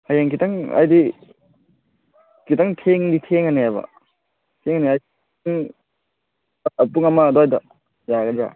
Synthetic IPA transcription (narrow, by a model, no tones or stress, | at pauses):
ajaŋkʰitaŋɐ̰jdi | kʰitaŋtʰeŋditʰeŋaneajbɐ̰ | tʰeŋaneaj | ŋ | ɐpuŋɐmadɔajdɐ | jaɡɐda̰